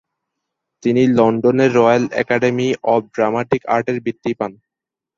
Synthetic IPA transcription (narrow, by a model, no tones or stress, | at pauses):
t̪inilɔɳɖoneɾːɔjalɛ̰kaɖemiʔɔɖɾamaʈika̰ɾʈeɾbit̪ːipan